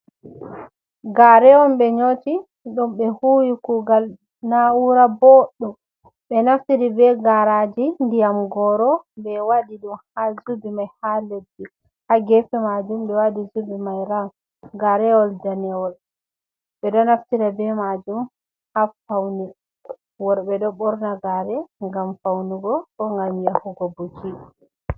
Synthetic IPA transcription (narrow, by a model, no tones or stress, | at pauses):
ɡaɾɛwɔmɓɛɲoti | ɗɔmɓɛhuːjikuɡal | nauɾabɔɗːɔ | ɓɛnaftiɾibɛɡaɾad͡ʒindijamɡɔɾɔbɛwadiɗumhazubimajhaledːi | haɡɛfɛmad͡ʒumɓɛwadizubimajɾan | ɡaɾɛwɔldanɛwɔl | ɓɛɗɔnaftiɾabɛmad͡ʒum | hafawni | wɔɾbɛɗɔɓɔɾnaɡaɾɛŋɡamfawniɡɔɗɔŋɡamjahuɡɔbut͡ʃi